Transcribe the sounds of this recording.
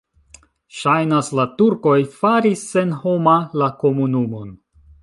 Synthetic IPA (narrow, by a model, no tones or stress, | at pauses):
ʃajnaslatuɾko̞jfaɾisːe̞nho̞malako̞munumo̞n